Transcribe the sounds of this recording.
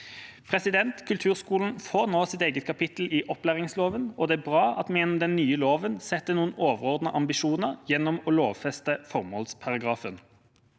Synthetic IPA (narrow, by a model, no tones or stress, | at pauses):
pʰʁɛsɪd̪ɛnt̪kʰʉlt̪ʰʉːʁskuːln̩foːʁnoːsɪt̪eːɡət̪̚kʰɑpɪt̪l̩ɪʔɔplæːʁɪŋsloːʋənɔd̪ɛæbʁɑːɑ̰t̪mɛjɛnɔmd̪ɛnːyːəloːʋənsɛt̪ːənuːənoːʋəʁɔːʁd̪nəʔɑmbɪʃuːnəʁjɛnːɔmɔloːʋfɛst̪əfɔʁmɔlspʰɑʁɑɡʁɑːfən